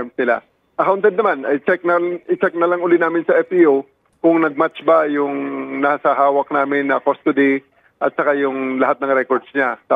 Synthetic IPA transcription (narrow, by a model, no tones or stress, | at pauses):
msnɪla̰ | ʔɐkawʊnt̪ɛd̪nɐmanɐjt͡ʃɛk̚nɐʔɪt͡ʃɛk̚nɐlɐŋʊlinaːmɪnsɐʔɛpiʔo | kʊŋnɐɡ̚mat͡ʃbɐjʊŋnasɐɦaːwɐk̚naːmɪnːɐkost̪ʊd̪i | ʔɐt̪̚sɐkajʊŋlɐɦat̪̚nɐŋɾɛkoɹd̪sɲa